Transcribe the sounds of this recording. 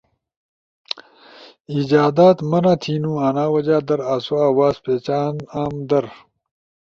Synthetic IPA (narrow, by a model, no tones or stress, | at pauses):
id͡ʑaːd̪aːt̪mɐnaːt̪ʰiːnũːaːnaːwɐd͡ʑaːd̪ɐɾaːsuaːwaːzpeːt͡ɕaːnaːmd̪ɐɾ